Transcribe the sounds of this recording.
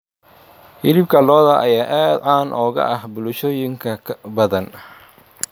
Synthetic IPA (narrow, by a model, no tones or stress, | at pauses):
hɪlɪb̚kʰɐlɔːðɐʔɐjaːʔaːd̪ʕaːnʔɔːɣɐ̰ʔɐhbʊlʊʃɔːjɪŋkʰɐbɐðɐn